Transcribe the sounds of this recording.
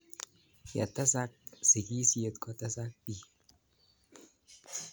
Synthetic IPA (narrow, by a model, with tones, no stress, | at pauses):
ja̰˨t̪a˦sa˦k̚si˨ki˦si˦e˨t̪kɔ˦˨t̪a˦sa˦k̚bi˦